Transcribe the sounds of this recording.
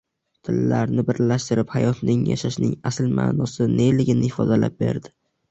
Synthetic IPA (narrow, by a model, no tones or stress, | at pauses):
t̪ʰɪlːaɾnɪbɪɾlaʃt̪ɪɾɪphajɒt̪nɪŋja̰ʃaʃnɪŋaslma̰ːnɒsɪnelɪɡʲɪnɪhɪfɒzala̰p̚be̞̰ɾd̪ɪ